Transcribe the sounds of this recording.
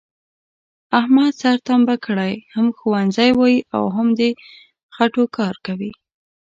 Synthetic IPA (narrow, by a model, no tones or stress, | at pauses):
ahmad̪saɾt̪ambakəɽajhamxuwanzajwɑjiʔa̰wɦamd̪ə | xaʈokɑɾkawi